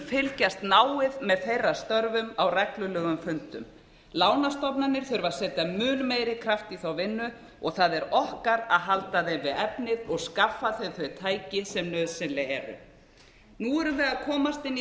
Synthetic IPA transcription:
fɪlcast̪naːwɪðmɛðθejrːast̪œɾvʏmawrɛklʏlœːɣʏmfʏnt̪ʏm | laːwnast̪ɔpnanːɪɾ̥θʏɾvasɛːt̪amʏːlmeːjɾɪkʰɾaft̪iθawvɪnːʏ | ɔɣθaðɛɾɔhkaɾa̰ðɦalt̪aðɛvɪðɛpnɪðɔɣskafːaθœjθvœɥt̪ʰaːjcɪsɛmnœːðsɪnlɪɛɾʏ̰ | nuɛɾʏðɪaðkʰɔːmast̪ɪnːi

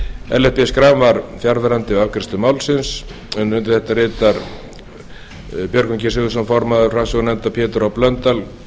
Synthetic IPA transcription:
ɛ̰lɛpɪskɾamvaɾ̥fjaɾðaɾant̪ɪawkʰɾɪst̪ʏmaːwlsɪns | ɛnʏnt̪ɪ̥θɛht̪ːarɪːt̪aɾ | pjœɾkʏɲcɪsɪɣʏs̬ɔnfɔɾmaðʏr̥amsɔɣnɛnt̪apʰjɛːt̪ʏɾawplœnt̪al

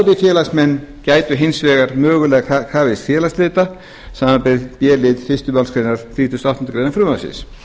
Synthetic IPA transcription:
t̪ɪfjɛːlaksmɛnːcaːjt̪ʏɦensvɛːɣaɾmœːɣʏlɛːɣakakʰaːvɪsfjɛːlast̪lɪːt̪a | saːmapɛðpjɛːlɪðfɪst̪ʏmalskʰɾenaɾ̥θɾiθusnawht̪nt̪ʏkɾeːðafɾʏːmasɪ̰s

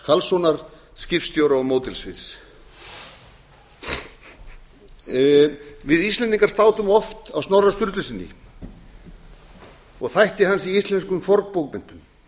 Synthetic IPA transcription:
kʰalsownaɾ̥ | scɪfst̪jowɾaɔɣmoːwt̪ɪlsvɪs | vɪðist̪lɛnt̪iŋkaɾ̥st̪aːwt̪ʏmɔft̪awsnawrːast̪ʏɾt̪lʏsɪnːɪ̰ | ɔɣθajht̪ɪɦansiist̪lɛnskʏmfɔɾk̚powkmɪn̥t̪ʏm

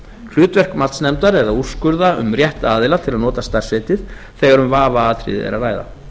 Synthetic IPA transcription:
kʰl̥ʏːt̪vɛr̥kmat̪snɛmt̪aɾɛðauskʏɾðaʏ̰mrjɛht̪aːðɪlat̪ʰɪlaðnɔːt̪ast̪ar̥sɪːt̪ɪ | θɛɣaɾʏmvaːvaaːt̪ʰɾɪ̰ðɪ̰ɛ̰ɾaraːjða̰

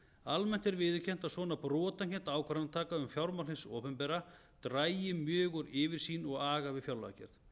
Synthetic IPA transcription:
almɛn̥t̪ɛɾvɪðɪcʰɛn̥t̪asvɔːnapɾɔːt̪ancɛnt̪aːwkʰvɛɾnat̪ʰaːkaʏmfjawɾmawlɪnsɔːpʏmpɛɾa | t̪ɾaːjjɪmjʏːɣʏɾɪːvɪɾ̥siːnɔɣaːɣavɪfjawlacɛ̰ɾ̥ð

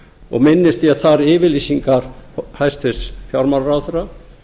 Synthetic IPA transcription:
ɔ̰ɣmɪnːɪst̪iaθaɾɪːvɪliːsiŋkaɾ̥hajst̪ɪsfjaɾmaɾɾawθʏɾa

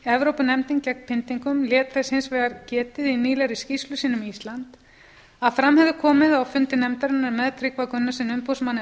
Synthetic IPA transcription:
ɛvɾowpʏnɛmt̪iŋcɛk̪pʰɪnt̪iŋkʏmljɛːt̪θɛshɪnsvɛːɣaɾcɛːt̪ɪðiniːlɛɾɪscistlʏsiːnʏmiist̪lant̪ | aðfɾamhɛðʏkʰɔːmɪðawfʏnt̪ɪnɛmt̪aɾɪnːaɾmɛðt̪ʰɾɪkvakʏnːasɪnʏmpowsmanːɪ

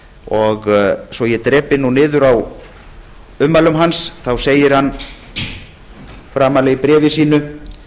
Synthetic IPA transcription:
ɔɣsɔjɛt̪ɾɛːpɪnunɪːðʏɾaw | ʏmːalʏmɦansθawseːjɪɾ̥hanː | fɾaːmalɛɣpɾɛːvɪsiːnʏ

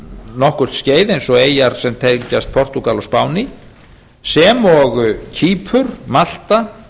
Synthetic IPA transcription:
nɔhkʏr̥t̪sceːjðejnsɔɣeːjaɾ̥sɛmt̪ʰecast̪̚pʰɔr̥t̪ukalɔspaːwni | sɛːmɔɣcʰiːpʰʏɾ̥mal̥t̪a

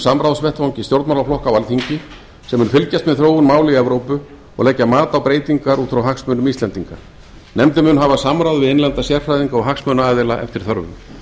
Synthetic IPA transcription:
samɾawðsvɛht̪vawɲcɪst̪jowɾt̪mawlaflɔhkawalθiɲcɪ | sɛmːʏnfɪlcast̪mɛðθɾoːwʏnmaːwlɪiɛvɾoːwpʏ | ɔ̰ɣlɛcːamaːt̪awpɾeːjt̪iŋkaɾuːt̪fɾawɦaksmœːnʏmist̪lɛnt̪iŋka | nɛmt̪ɪmʏnɦavasamɾawðvɪðejnlant̪asjɛr̥fɾajðiŋkaɔɣɦaksmœːnaaːðɪlaʔɛ̰ft̪ɪɾ̥θœɾvʏ̰m

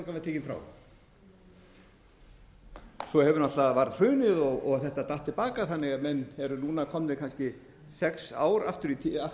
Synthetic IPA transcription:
kavɪɾt̪ʰeːcɪnfɾa̰ːw | sɔhɛvʏɾnat̪aðvaɾðr̥ʏːnɪðɔɣɔɣθɛht̪at̪aht̪ːɪlpaːkaθanːɪɣamɛnːhɛɾʏnuːnakʰɔmnɪkʰanscɪ | sɛksa̰ːwɾa̰ft̪ʏɾit̪ʰia

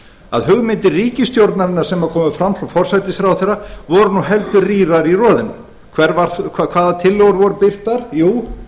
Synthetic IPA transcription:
a̰ðhʏɣmɪnt̪ɪriːcɪst̪jowɾt̪naɾɪnːaɾ̥sɛmakʰɔːmʏfɾamfɾawfɔr̥sajt̪ɪsɾawθɛravɔɾʏnuɦɛlt̪ʏriːɾaɾirɔːðɪnʏ̰ | kʰvɛɾvaɾθʰakʰv̥aːðat̪ʰɪlːowɾvɔɾʏpɪr̥t̪aɾ̥juː

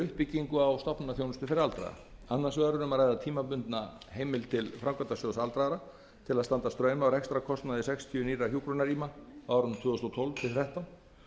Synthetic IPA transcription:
ʏhpɪcːiŋkʏawst̪ɔpnaθjownʏst̪ʏfɪɾɪɾalt̪ɾa̰ða̰anːḁsvɛːɾʏnʏmaɾrajðat̪ʰiːmapʏnt̪na | hejmɪlt̪ʰɪlfɾawŋkat̪asœðʏsalt̪ɾaɾa | t̪ʰɪlaðst̪ant̪ast̪ɾœːɥmawɾɛkst̪ɾakʰɔst̪naðɪsɛkst̪ʰiʏniːɾaçjuːkɾɔnaɾiːmaaːwɾʏnt̪ʰvʏːʏst̪ɔwt̪ʰɔlv̥t̪ʰɪlθɾɛht̪awn

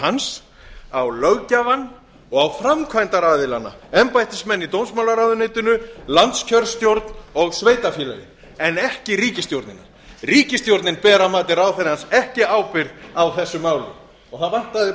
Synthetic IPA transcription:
hans | awlœɣcavanː | ɔɣawfɾamkʰvajnt̪aɾaðɪlanːa̰ɛmpajt̪ɪsmɛnːit̪owmsmawlaɾaðʏnejt̪ʏnʏlant̪scʰœɾst̪jowɾt̪nɔɣsveːjt̪afjɪːlɛ̰ðɪ̰ | ɛnɛhcɪɾiːcɪst̪jowɾt̪nɪna̰ | riːcɪst̪jowɾt̪nɪnpɛːɾamaːt̪ɪɾawθɛɾhansɛhcɪaːwpɪɾðawθɛsːʏmaːwlɪ̰ | ɔɣθaðvan̥t̪aðɪ

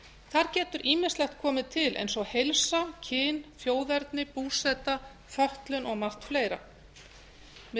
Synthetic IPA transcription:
θaɾcɛːt̪ʏɾʔiːmɪnslɛxt̪̚kʰɔːmɪt̪ʰɪlʔḛjnsɔɣhejlsacʰɪːnfjoːwðɛɾt̪nɪpuːsɛt̪a | fœht̪lʏnʔɔɣmar̥t̪fleːjɾa̰ | m

